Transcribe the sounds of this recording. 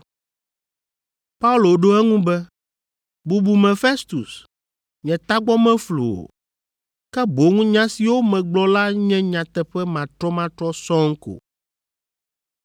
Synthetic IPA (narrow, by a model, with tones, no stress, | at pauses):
pa˦u˦lo˨ɖo˦ɛ˦ŋũ˦bɛ˦ | bu˨bu˨mɛ̃˨fe˦st̪u˨s | ɲɛ̃˨t̪a˦ɡ͡bɔ˦mɛ̃˦flo̰˨o̰˨ | kɛ˦bo˨ŋũ˦ɲã˦si˨wo˦mɛ̃˨ɡ͡blɔ˦la˦ɲɛ̃˦ɲã˨t̪ɛ˦ɸɛ˦mã˨t̪ɾɔ˦mã˦t̪ɾɔ˦sɔ̃˦ŋ̩˦ko̰˨